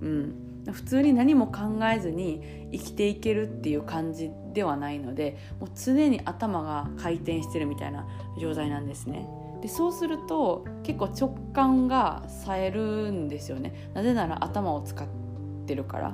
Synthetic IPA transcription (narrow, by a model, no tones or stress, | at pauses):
ɯ̟̃ɴ | aɸɯ̟̥t͡sɨːɲ̟inaɲ̟imo̞kãŋɡae̞zɨɲ̟iː | kʲi̥t̪e̞ike̞ɾɯ̟t̪ːe̞jɯ̟ːkãɲ̟d͡ʑi | d̪e̞β̞anaino̞d̪e̞ | mo̞ːt͡sɨne̞ɲ̟iʔat̪amaɡakʰait̪ẽ̞ɰ̃ɕi̥t̪e̞ɾɯ̟mʲit̪a̰ina | d͡ʑo̞ːt̪ainãnd̪e̞sɨne̞̰ | d̪̥e̞so̞ːsɨɾɯ̟t̪o̞ | ke̞kːoːt͡ɕo̞kːãŋɡa | sae̞ɾɯ̟nd̪e̞sɨjo̞ne̞̰ | naze̞naɾa̰ʔat̪amao̞t͡sɨ̥kat̪ː | e̞ɾɯ̟ka̰ɾa̰